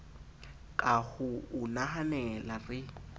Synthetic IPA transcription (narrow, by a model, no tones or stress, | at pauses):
kʼahʊʊnaɦanɛlarɪ